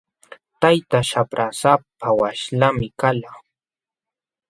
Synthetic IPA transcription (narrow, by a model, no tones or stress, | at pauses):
t̪ajt̪aʃapɾʔasapʰawaʃʎamɪkala